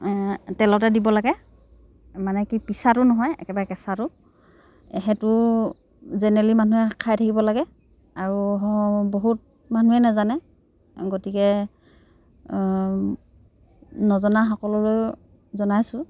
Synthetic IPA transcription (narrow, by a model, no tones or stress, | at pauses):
tɛlɔtɛdibɔlaɡɛ | manɛkipisatʊnɔɦɔjɛ̰kɛbaɹɛkɛsatʊ | ɛɦɛtʊ | zɛnɛɛlimanuɛkʰajtʰakibɔlaɡɛ | aɹuboɦut̚ | manuɛnazanɛ | ɡotikɛ | nɔzɔnaxɔkɔlɔloj | zɔnajsʊ̃